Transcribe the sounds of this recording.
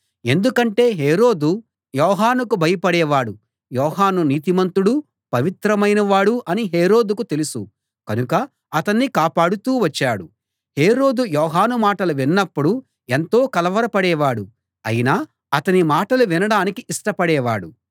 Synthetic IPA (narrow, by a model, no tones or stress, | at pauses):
e̞nd̪ukɐɳʈe̞ːɦeːɾo̞ːd̪u | jɔːɦaːnukubʱɐjɐpɐɽɛːʋaːɽu | jɔːɦaːnuniːt̪imɐnt̪uɽu | pɐʋit̪ɾɐmɐjnɐʋaːɽuʔɐniɦe̞ːɾo̞ːd̪ukut̪e̞lusu | kɐnukɐ | ɐt̪ɐnːikaːpaːɽut̪uːʋɐt͡ʃːaːɽu | he̞ːɾo̞ːd̪ujɔːɦaːnumaːʈɐluʋinːɐpːuɽu | e̞nt̪o̞ːkɐlɐʋɐɾɐpɐɽɛːʋaːɽu | ɐ̰jinaː | ɐt̪ɐnimaːʈɐluʋinɐɽaːnikiʔiʂʈɐpɐɽɛːʋa̰ːɽu